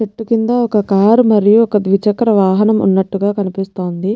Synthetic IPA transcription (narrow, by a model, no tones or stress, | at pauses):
t͡ʃeʈːukind̪ɐɔkɐkaːɾumɐɾijuɔkɐd̪ʋit͡ʃɐkɾɐʋaːɦɐnɐmṵnːɐʈːuɡaːkɐnipist̪o̞ːnd̪i